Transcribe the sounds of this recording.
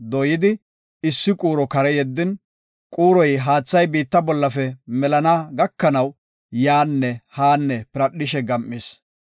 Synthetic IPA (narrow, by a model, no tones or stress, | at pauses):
d̪ɔjɪd̪ɪ | ɪsːɪkʼuːɾɔkɐɾɛjɛd̪ːɪn | kʼuːɾɔjɦaːt͡sːɐjbiːt̪ːɐbɔlːɐfɛmɛlɐnaɡɐkːɐnɐw | jaːnːɛhaːnːɛpɪɾɐɗːɪʃɛɡɐmːɪs